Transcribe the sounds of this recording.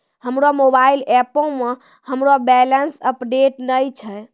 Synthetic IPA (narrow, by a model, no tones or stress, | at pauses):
həmɾomobailɛpõmẽ | həmɾobɛlənsəpɖeʈnəjt͡ʃʰə